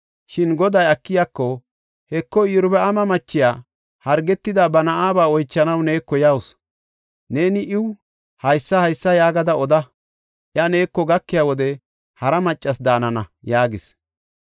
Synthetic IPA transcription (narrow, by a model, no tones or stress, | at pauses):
ʃɪnɡɔd̪ɐjɐkːɪjakːɔ | hɛkːɔiːɾʊbɛʔɐmɐmɐt͡ʃːɪjaː | hɐɾɡɛt̪ːɪd̪abɐnɐʔaːbaːɔjt͡ʃːɐnɐwne̞ːkːɔjɐws | ne̞ːnɪʔɪw | hɐjsːɐhɐjsːɐjaːɡɐd̪ɐɔd̪ɐ | ʔjɐne̞ːkːɔɡɐkːɪjaːwɔd̪ɛ | hɐɾɐmɐt͡ʃʼːɐsd̪aːnɐnɐjaːɡɪs